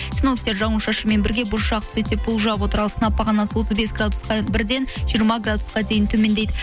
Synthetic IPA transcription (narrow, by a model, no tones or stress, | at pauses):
sʲɪnok̚t̪e̞ɾʒɑmuʃɑʃəme̞nbɪɾɡʲe̞bʊɾʃɑqt̪ʰʏ̥ze̞t̪ːep̚bʊlˠʒəɑp̬wo̞t̪əɾɑlˠsənɑpːɑʁɑnːɑnsəwo̞t̪əzbe̞sɡrad̪usqɑbɪɾd̪e̞nʒ̥ijəɾmɑɡrad̪u̥sqɑd̪e̞jɪnt̪ʰɵme̞nd̪ejd̪ɪ